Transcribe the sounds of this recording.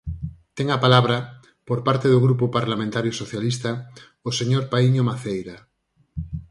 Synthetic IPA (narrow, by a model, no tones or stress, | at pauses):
t̪eŋapalaβ̞ɾa | poɾpaɾt̪eðoɣ̞ɾupopaɾlamẽnt̪aɾjosoθjalist̪a | oseɲoɾpaiɲomaθejɾa